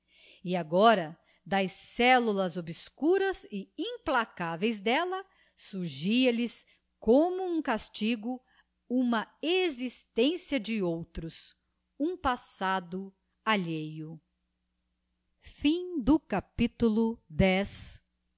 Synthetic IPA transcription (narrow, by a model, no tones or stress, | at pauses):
ɪaɡɔɾɐ | d̪ɐjsːɛlulɐzobiskuɾɐzɪĩplakavejzd̪ɛlɐ | suɾʒiɐlɪs | kõmʊũkast͡ʃiɡʊ | ũmɐezist̪ẽsiɐd͡ʒɪowt̪ɾʊs | ũpasad̪ʊ | aʎejʊ | fĩd̪ʊkapit̪ulʊd̪ɛs